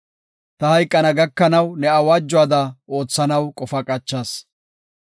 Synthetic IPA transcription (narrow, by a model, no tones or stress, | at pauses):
t̪ɐhɐjkʼːɐnɐɡɐkːɐnɐwnɛɐwɐd͡ʒːʊaːd̪ɐo̞ːt͡sːɐnɐwkʼɔfɐkʼɐt͡ʃːaːs